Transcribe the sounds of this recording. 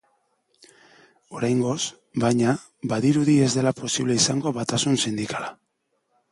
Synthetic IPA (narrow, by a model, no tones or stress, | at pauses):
o̞ɾajŋɡo̞s | bajɲa | baðiɾuðie̞zd̪e̞lapo̞siβle̞isaŋɡo̞βat̪asunsind̪ikala